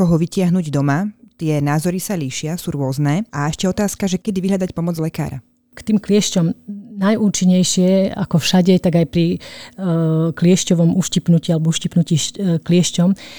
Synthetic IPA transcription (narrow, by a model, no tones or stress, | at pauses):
kɔɦɔʋicɪaɦnuːɟd̪ɔmat̪ɪɛnaːzɔɾisaliːʃɪasuːɾʊɔznɛːaɛʃcɛɔt̪aːskaʒɛkɛd̪iʋiɦlʎad̪acpɔmɔd͡zlɛka̰ːɾa̰ | kt̪iːmklɪɛʃcɔmnajuːt͡ʃiɲːɛjʃɪɛa̰kɔfʃaɟɛt̪aɡajpɾi | klɪɛʃcɔʋɔmuːʃcipnucialɛbɔuʃcipnuciːʃklɪɛʃcɔm